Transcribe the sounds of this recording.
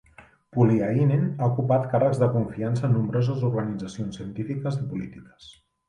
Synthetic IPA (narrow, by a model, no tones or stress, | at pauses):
puliainenaukupat̪karəɡzðəkuɱfiansəːnːumbɾɔzəzuɾɣənid͡zəsionsiənt̪ifikəzipulḭt̪ikə̥s